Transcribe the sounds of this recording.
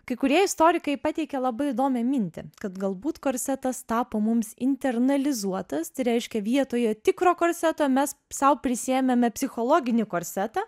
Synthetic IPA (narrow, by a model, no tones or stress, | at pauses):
kɐɪkʊɾʲiɛɪst̪oːɾʲɪkɐɪpɑt̪ʲɛɪkʲɛlˠɐbɐɪɪd̪oːmʲɛmʲɪnʲt̪ʲɪkɐt̪ɡɐlˠbuːt̪koːɾʲsʲɛt̪ɐst̪ɑːpoːmʊmsɪ̰nʲt̪ʲɛrnɐlʲɪzuɔt̪ɐst̪ɐɪɾʲɛɪʃʲkʲɛʋʲiɛt̪oːjot̪ʲɪkɾoːkoːɾʲsʲæt̪oːmʲɛssɐʊpʲɾʲɪsʲɪɛmʲɛmʲɛpʲsʲɪxoːlˠoːɡʲɪnʲɪkoːɾʲsʲæt̪ɑ